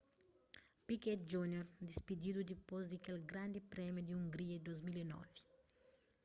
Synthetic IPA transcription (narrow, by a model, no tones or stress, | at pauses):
pikɛt̪̚d͡ʒunjɔɾd̪ispid̪id̪ud̪iposd̪ikelɡɾand̪ipɾɛmjod̪iuŋɡɾiad̪ozmilenɔ̰vi̥